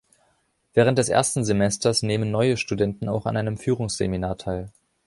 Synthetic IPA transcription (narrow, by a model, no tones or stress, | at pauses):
vɛːʁ̞əntd̥ɛsʔḛːɐstn̩zemɛstɐsneːmənːɔʏəʃtudɛntn̩aʊxa̰nʔaɪnəmfyːʁʊŋsz̥ḛminaːɐtʰaɪl